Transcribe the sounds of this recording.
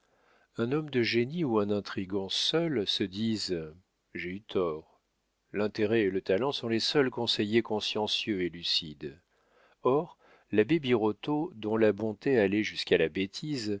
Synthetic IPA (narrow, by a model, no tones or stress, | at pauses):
ɛ̃nɔmd̪əʒeniuɛ̃nɛ̃t̪χiɡɑ̃sœlsəd̪iz | ʒeyt̪ʰɔːʁ | lɛ̃t̪eʁɛelət̪alɑ̃sɔ̃lesœlkɔ̃sejekɔ̃sjɑ̃sjøelysid̪ | ɔʁ | labebiʁot̪od̪ɔ̃labɔ̃t̪ealɛʒyskalabet̪ʰiz